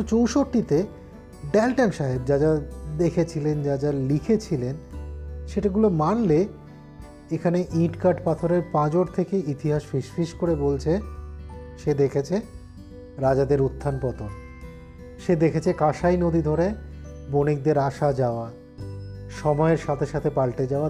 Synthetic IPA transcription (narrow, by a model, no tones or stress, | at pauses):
t͡ɕowʃoʈːit̪e | ɖɛlʈɛnʃaɦebd͡ʑad͡ʑad̪ekʰet͡ɕʰilend͡ʑad͡ʑalikʰet͡ɕʰilenʃeʈaɡulomanle | ekʰaneʔĩʈkaɾʈpat̪ʰoɾeɾpãd͡ʑoɾt̪ʰekeit̪iɦaʃfiʃfiʃkoɾebolt͡ɕʰe | ʃed̪ekʰet͡ɕʰe | ɾad͡ʑad̪eɾut̪ʰːanpɔt̪oɾ | ʃed̪ekʰet͡ɕʰekãʃajnod̪id̪ʱoɾe | bonik̚d̪eɾaʃad͡ʑaoa | ʃɔmɔeɾʃat̪ʰeʃat̪ʰepalʈed͡ʑaoa